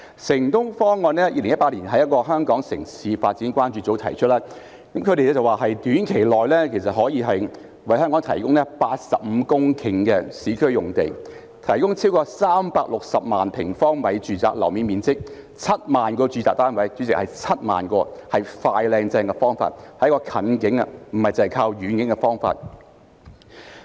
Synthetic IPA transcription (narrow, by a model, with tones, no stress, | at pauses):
sɪ˨˩ŋt̪ʊ˥ŋfɔː˥ŋːɔː˨˧nɛː˥jḭː˧lɪ˨ŋjɐ˥tpa˧liː˨˩nɦɐ˨˥jɐ˥t̚kɔː˧ɦœː˥ŋkɔː˨˥ŋsɪ̰˨˩ŋsiː˨˧faː˧t̚t͡siː˨˥nkʷaː˥nt͡ʃyː˧t͡so˨˥wt̪ʰɐ̰˨˩jt͡ʃʰɵ˥t̚laː˥ | kɐ˨˦mkʰɵ˨˧ɾe˨jlɛ˥t͡sɐ˨waː˨˩ɦɐ˨jt̪yː˨˥nkʰe˨˩jlɔː˨jlɛː˥kʰe˨˩jsɐ˨t̚ɦɔː˨˥jiː˧ɦɐ˨j | wɐ˨˧jɦœː˥ŋkɔ˨˥ŋt̪ʰɐ˨˩jkʊ˥ŋlɛ˥paː˧t̚sɐ˨p̚m̩˨˧kʊ˥ŋkʰɪ˨˩ŋkɛ˧siː˨˥kʰɵ˥ɥjʊ˨˩ŋt̪e˨˩j | t̪ʰɐ˨˩jkʊ˥ŋt͡sʰiː˥wkɔː˧saː˥mpaː˧k̚lʊ˨k̚sɐ˨p̚maː˨npʰɪ˨˩ŋfɔː˥ŋmɐ˨˧jt͡ʃyː˨˧t͡sa̰ː˨˩k̚lɐ˨˩wmiː˨˧nmiː˨nt͡sɪ˥k̚ | t͡sʰɐ˥t̚maː˨nkɔː˧t͡ʃyː˧t͡saː˨t̪aː˥nwɐ˨˧jt͡ʃyː˨˧˥t͡sɪ˨k̚hɐ˨jt͡sʰɐ˥t̚ma̰ː˨˩nkɔː˧hɐ˨jfaː˧jlɛː˧ŋt͡sɛː˧ŋkɛ˧fɔː˥ŋfa̰ː˧t̚hɐ˨jkɔː˧kʰɐ˨˥nkɪ˨˥ŋɐ˧m̩˨˩hɐ˨jt͡sɐ˨˩hɐ˨jkʰaː˧wɥyː˨˥nkɪ˨˥ŋkɛ˧fɔː˥ŋfa̰ː˧t̚